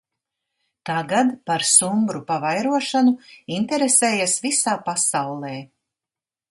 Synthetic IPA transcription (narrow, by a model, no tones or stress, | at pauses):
t̪aɡad̪paɾsumbɾupavajɾuɔʃanuint̪ɛɾeseːjasvisaːpasawlˠeː